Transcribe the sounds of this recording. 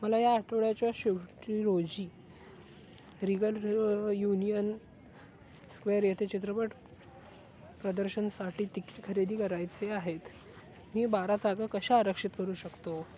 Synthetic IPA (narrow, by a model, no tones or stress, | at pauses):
məlajaːʈʰoɭjat͡ɕjaɕeʈiɾod͡ʑiː | ɾiɡəljunijən | skʋeəɾjet̪ʰet͡ɕit̪ɾəpəʈ | pɾəd̪əɾɕənsaʈiːt̪ikːi̥ʈkʰəɾed̪iːkəɾajt͡seaɦet̪ | miːbaɾat̪aɡakəɕaːɾəkʂit̪kəɾuːɕəkt̪o